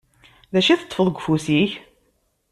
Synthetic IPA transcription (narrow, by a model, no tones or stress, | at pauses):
ðæʃiθət̪ˤːfəðˤɡʷfusiç